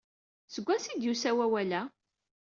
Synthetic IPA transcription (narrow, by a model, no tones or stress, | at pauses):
səɡʷːæsid̪jusæwæwælæ